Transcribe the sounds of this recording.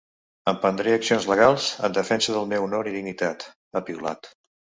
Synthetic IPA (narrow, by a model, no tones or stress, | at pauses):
əmpənd̪ɾeəksionzləɣ̞alˠzə̰nd̪əfɛnsəðəlˠmɛwunoɾiðiŋit̪at̪ | əpiula̰t̪